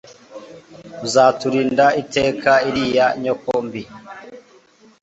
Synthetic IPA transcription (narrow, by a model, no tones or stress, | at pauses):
uzaːtuɾiːndaite̞ːkʰaiɾijaɲokombi